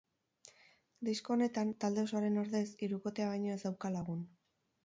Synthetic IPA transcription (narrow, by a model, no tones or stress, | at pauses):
d̪isko̞ne̞t̪ant̪ald̪e̞osoaɾe̞noɾðe̞siɾuko̞t̪e̞aβajɲoezd̪awkalaɣ̞un